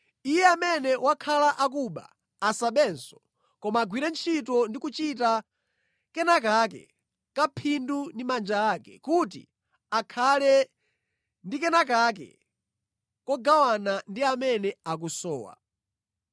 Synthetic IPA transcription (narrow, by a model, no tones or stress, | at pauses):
ijɛamɛnɛwakʰalaʔak̬uɓa̰ː | saɓɛnsɔ̥ | kɔmaːɡwiɾɛnt͡ʃʰitɔndikut͡ʃit̬a | kɛnakakɛ̰ | kapʰindundimand͡ʒaaːkɛ̰kutḭ | akʰalɛ | ndikɛnak̬ak̬ɛ̰ | kɔɡawanandiamɛnɛak̬usɔ̰ːwa̰